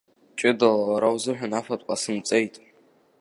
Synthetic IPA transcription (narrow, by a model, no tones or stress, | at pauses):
t͡ʃʼɪdalawaɾawzɨħᶣanafatʼqʷʼasɨnt͡sʼejtʼ